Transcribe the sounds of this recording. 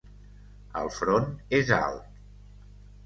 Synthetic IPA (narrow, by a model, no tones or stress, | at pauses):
ə̰lˠfɾoneza̰lˠt̪